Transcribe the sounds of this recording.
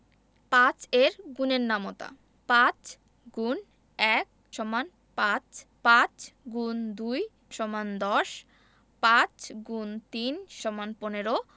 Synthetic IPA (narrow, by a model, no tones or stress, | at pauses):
pãt͡ɕeɾɡuneɾnamot̪a̰ | pãt͡ɕ | ɡun | ɛk̚ | ʃɔman | pãt͡ɕpãt͡ɕɡund̪uj | ʃɔmand̪ɔʃ | pãt͡ɕɡunt̪inʃɔmanponeɾo